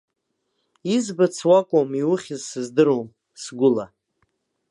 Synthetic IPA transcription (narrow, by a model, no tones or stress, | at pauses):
izbɨt͡sʰwakʷʼomiwʊχʲɪzsɨzdɨɾom | sɡʷʊla